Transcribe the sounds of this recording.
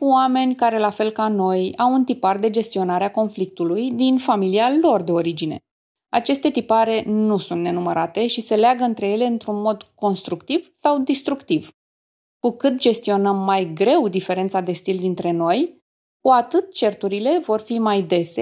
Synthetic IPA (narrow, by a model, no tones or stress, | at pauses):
kuoame̞nʲkaɾe̞lafe̞lkano̞jawunt̪ipard̪e̞d͡ʒe̞st̪io̞naɾeako̞nflik̚t̪ulujd̪infamilialo̞rd̪e̞o̞ɾid͡ʒine̞̰ | a̰t͡ʃe̞st̪e̞t̪ipaɾe̞nusunt̪ne̞numəɾat̪e̞ʃise̞leaɡəɨnt̪ɾe̞je̞le̞ɨnt̪ɾunmo̞d̪ko̞nst̪ɾukt̪iv̥sawd̪ist̪ɾukt̪iv̥ | kukɨt̪̚d͡ʒe̞st̪io̞nəmːajɡɾe̞wd̪ife̞ɾe̞nt̪sad̪e̞st̪ild̪int̪ɾe̞no̞j | kuat̪ɨt̪̚t͡ʃe̞rt̪uɾile̞vo̞rfimajd̪e̞se